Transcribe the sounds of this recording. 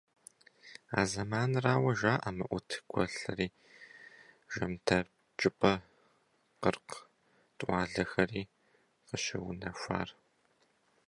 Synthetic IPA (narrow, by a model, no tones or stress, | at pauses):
a̰ːzɐmaːnraːwɐʒaːʔɐmɨʔʷʊtʰɡʷʰɐ̰ɬɐriː | ʒ̥ɐmtʰɐ | t͡ʃʼɪpʼɐ | qərq | tʼʔʷɑːɮɐxɐriː | qəɕɪwʊnɐʃʷa̰ːr